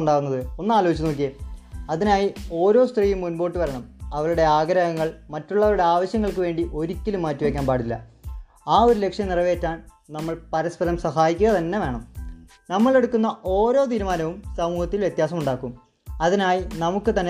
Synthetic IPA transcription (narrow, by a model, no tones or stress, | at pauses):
ɳɖaːɣunːɐðɨo̞nːɨaːlo̞ːit͡ɕːɐnoːk̬ːieɐðinaːjio̞ːɾo̞ːst̪riːjumːunbo̞ːʈːɨʋɐɾɐɳɐmɐʋɐɭuɽe̞aːɡɐɾɐɣɐŋːɐɭmɐtːuɭːɐʋɐɾuɽe̞aːʋɐɕjɐŋːɐɭkɨʋe̞ːɳɖiʔo̞ɾikʲːɐlumːaːtːuʋekʲːaːnpaːɽilːɐ̰ | aːo̞ɾulekʂjɐmnirɐʋe̞ːtːaːn | nɐmːɐɭpɐɾɐspɐɾɐmsɐɦaːjikʲːuɣɐt̪ɐnːe̞ʋe̞ːɳɐm | nɐmːɐɭe̞ɽukːunːɐʔo̞ːɾo̞ːt̪̬iːɾumaːnɐʋumsɐmuːhɐt̪ːilʋje̞t̪jaːs̬ɐmuɳɖaːkːum | ɐðinaːjinɐmukːɨt̪ɐnːe